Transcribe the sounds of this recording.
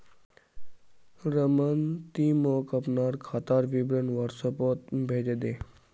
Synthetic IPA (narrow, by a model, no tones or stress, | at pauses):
ɾəmənt̪iːmoːkəpnaːɾkʰat̪aːɾʋibɾənʋaɾsəpoːt̪bʱeːd͡ʒed̪eː